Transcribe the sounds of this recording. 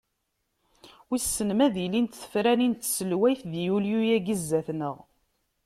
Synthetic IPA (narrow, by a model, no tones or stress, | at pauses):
wisːənmæðilint̪θə̥fɾænint̪səlwæjθðjuljujæɡizːæθnəʁ